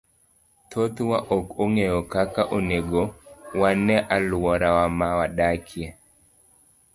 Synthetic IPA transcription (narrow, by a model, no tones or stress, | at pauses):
t̪ʰot̪waʔokoŋejɔkakaʔoneɡowanɛʔalwɔɾawamawadakʰje